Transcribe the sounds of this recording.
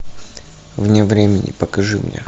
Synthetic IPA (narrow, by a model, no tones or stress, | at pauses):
vnʲevɾʲemʲɪnʲɪ̰pəkɐʐɨmnʲḛ